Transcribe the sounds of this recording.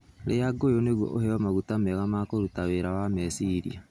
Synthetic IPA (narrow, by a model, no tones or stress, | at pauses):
lejaɡojoneɣwɔ̰ʔoɦɛɔmaɣutamɛɣamakoɾutaβeɾawamesiɾḭa